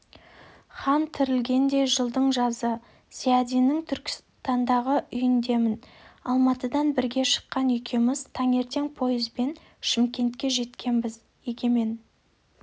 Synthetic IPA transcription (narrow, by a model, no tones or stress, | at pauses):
χɑnt̪ʰɪɾɪlɡʲe̞nd̪e̞ʒəlˠd̪əɴʒɑzə | siad̪inɪŋt̪ʰʏɾkʲɪ̥s | t̪ɑnd̪ɑʁəʔʏjɪnd̪e̞mɪnɑlˠmɑt̪əd̪ɑnbɪɾɡʲe̞ʃə̥qːɑnʏjkʲʰe̞mɪzt̪ʰɑŋe̞ɾt̪e̞ŋpʰo̞jɪzbe̞n | ʃɪmkʲe̞nt̪kʲe̞ʒe̞t̪kʲe̞nbɪz | eɡʲe̞me̞n